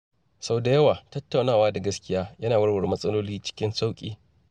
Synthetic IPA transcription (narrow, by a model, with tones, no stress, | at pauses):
sɐ˨da˨jɐ˦waː˨tɐ˦tːa˨wnaː˦˨waː˦da˨ɡɐ˦skʲɪ˦jaː˦jɐ˦naː˨wɐ˦ɽwɐ˨ɾe˨mɐ˦sʼɐ˦loː˦liː˦t͡ʃɪ̥˦kʲɪ˦nsa˦wkʲʼiː˦